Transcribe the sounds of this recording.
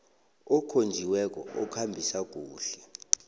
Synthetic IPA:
ɔkʰond͡ʒʱiwɛk̬ʼɔ̰ɔkʰambʱisak̬uːɬɛ

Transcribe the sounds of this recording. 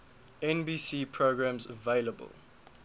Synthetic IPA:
ɛ̃nbiːsiːpʰɹoɡɹãmzəveɪləbə̰lˠ

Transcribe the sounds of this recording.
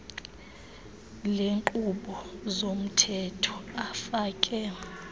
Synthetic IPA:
leŋǃʼuɓɔzom̩tʰɛtʰɔ̥afaːkʼɛ

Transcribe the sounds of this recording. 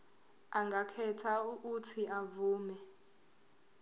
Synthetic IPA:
aŋɡakʰɛtʰaukutʰiavuːmɛ

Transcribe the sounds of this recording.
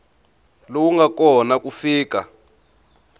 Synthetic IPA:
lowuŋɡakɔnakufiːka

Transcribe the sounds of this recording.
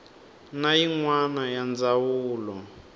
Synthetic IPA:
najiŋwanajand͡zawuːlɔ

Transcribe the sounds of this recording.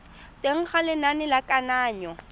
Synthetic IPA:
tʼeŋ̩χalɪnanɪlakʼanaːɲɔ

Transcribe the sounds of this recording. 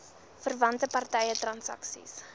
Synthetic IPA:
fərvɐntəpɐrtɛjətrɐnsɐ̰ksḭs

